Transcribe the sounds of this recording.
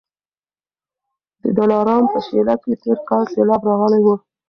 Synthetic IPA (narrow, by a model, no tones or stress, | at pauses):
d̪əd̪olɑɾɑmpəʃelaket̪eɾkɑlselɑbɾɑɣəlajwə